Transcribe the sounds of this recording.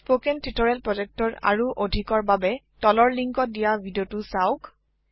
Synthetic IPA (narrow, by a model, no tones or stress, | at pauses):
pokentʰitɔɹɛlpɹɔd͡ʒɛk̚tɔɹa̰ɹuʔodʱikɔɹbabɛ | tɔlɔɹliŋkɔt̚dijabʱidiotusaʊk